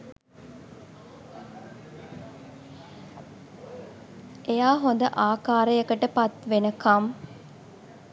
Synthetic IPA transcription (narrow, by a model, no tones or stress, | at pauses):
ejaːɦond̪əʔaːkaːɾəjəkəʈəpat̪ʋenəkɐm